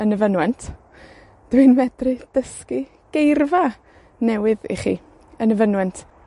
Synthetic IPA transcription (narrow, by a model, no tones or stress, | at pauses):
ənəvənwɛntʰ | d̥wɪnvɛdrɨd̥əski | ɡ̥ejrva | nɛwɪðḭχḭː | ənəvənwɛntʰ